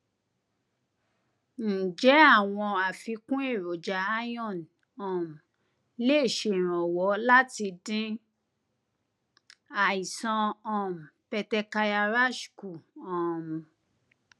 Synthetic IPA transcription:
n̩˨d͡ʒɛ˨˦a˦˨w̃ɔ̃˧a˨fi˧kũ˦e˦˨ɾo˨d͡ʒa˧a˦jɔ̃˦˨n | ɔ̃˨m̩˨ | le˦˨ʃẽ˧˦˨ɾ̃ɔ̃˨wɔ˨˦la˦ti˧dĩ˦ | a˨i˨sɔ̃˧ɔ̃˦˨m̩˨pɛ˧tɛ˧ka˧ja˧ɾa˦ʃku˨ɔ̃˨m˨

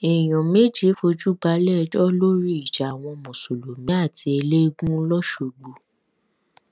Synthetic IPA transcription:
e˨j̃ɔ̃˨me˦d͡ʒi˦fo˧d͡ʒu˦ba˨˦lɛ˦˧˦d͡ʒɔ˦lo˦ɾi˦i˨ʃa˨a˨w̃ɔ̃˧mõ˨so˨lo˨mĩ˨˦a˦˨ti˧˦e˧le˦ɡũ˦lɔ˦ʃo˧˨ɡ͡bo˨

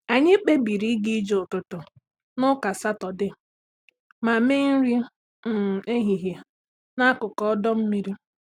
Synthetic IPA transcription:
a˨ɲɪ˦k͡pe˦bi˨ɾi˦ɡi˦d͡ʒo˨ʊ˨tʊ˨tʊ˨ | nʊ˦ka˨sa˦tɔ˨dɪ˦ | ma˨me˦ŋ̩˦ɾi˦˨ | e˦ɦi˨ɦja˨ | na˦kʊ˨kɔ˦ɔ˦dɔ˦m̩˦mi˦ɾi˦

